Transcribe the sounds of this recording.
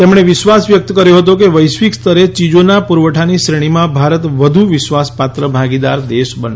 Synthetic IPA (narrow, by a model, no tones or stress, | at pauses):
t̪emɳ̃eʋɪʃʋasʋjək̚t̪əkəɾjoɦət̪okeʋəjsʋikst̪ʰəɾet͡ʃid͡ʒonapuɾʋəʈʰaniʃɾeɽ̃imãbʱaɾət̪ʋəd̪ʱuʋɪʃʋaspat̪ɾəbʱaɡid̪aɾd̪eʃbən